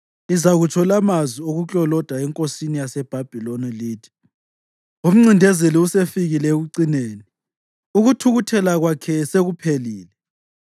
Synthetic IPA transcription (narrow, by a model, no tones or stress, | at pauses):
izaɣut͡ʃʰɔlamazwioɣukʼɔlɔd̥ʱaɛŋkʼosinijasɛb̥ʱab̥ʱiloniliːtʰi̥ | um̩ŋ͡ǀindʱɛzeliusefiɣilɛeɣuǀineːni | uɣutʰuɣutʰɛlaɣwakʰɛseɣupʰeliːlɛ